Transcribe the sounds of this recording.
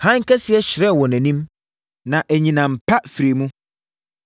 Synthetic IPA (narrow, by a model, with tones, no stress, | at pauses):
hã˦ŋ˦kʰɛ˦sɪ˨˦ɛ˦ɕɪ˨ɾɛ˦˨wɔ˨næ̃˨nĩ˦m | nã˨ʔæ˨ɲĩ˨nã˨m̩˨pʰa˦fi˨ɾi˨mũ˦